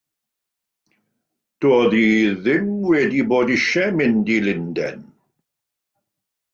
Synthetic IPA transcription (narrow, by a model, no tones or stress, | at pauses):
d̥oːðiðɪmwɛdiboːdɪʃɛmɪndilɪndɛ̰n